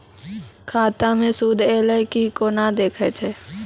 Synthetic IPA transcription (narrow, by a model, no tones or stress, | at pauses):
kʰaːt̪amẽsuːd̪ʱeːləkikonad̪eːkʰet͡ʃʰeː